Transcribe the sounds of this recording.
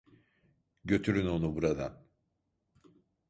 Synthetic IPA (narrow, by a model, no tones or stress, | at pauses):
ɟø̞t̪ʰyɾyno̞nubuɾad̪a̰n